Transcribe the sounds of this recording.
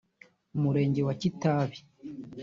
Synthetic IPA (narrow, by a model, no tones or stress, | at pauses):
umuɾe̞ːɲɟe̞wacitaːβi̥